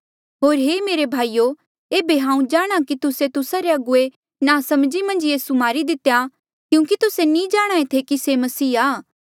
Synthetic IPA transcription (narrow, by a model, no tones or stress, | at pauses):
ɦoːɾɦeːmeːɾebʱaːijo | eːbeɦãːũd͡ʒaːɽ̃akit̪ʊset̪ʊsaɾeɐɡʊe | nasɐmd͡ʒimɐ̃nd͡ʒjiːsumaːɾid̪ɪt̪ːeja | kjũːkit̪ʊsenĩd͡ʒaːɽ̃aːet̪ʰekisemɐsiːaː